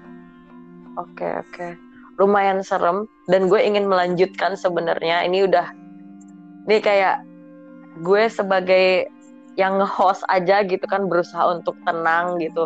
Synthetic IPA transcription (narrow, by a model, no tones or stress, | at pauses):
okḛo̰ke | rumajansəɾəm | danɡuɛiŋɪnməlaɲd͡ʒut̪̚kansəbənə̰rɲaḭniudah | nikajaʔ | ɡuesəbaɡaj | jaŋːəhɔsa̰d͡ʒaɡit̪ukanbəɾusaɦa̰unt̪ʊk̚t̪ənaŋɡit̪u